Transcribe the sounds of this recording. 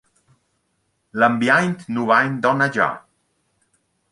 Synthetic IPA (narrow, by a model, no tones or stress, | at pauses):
ləmbjajnt̪nuβajnd̪ɔnad͡ʒa̰